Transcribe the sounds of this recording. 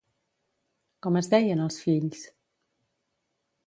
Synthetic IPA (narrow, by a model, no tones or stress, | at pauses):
kɔməzðɛjənəlˠsfiʎs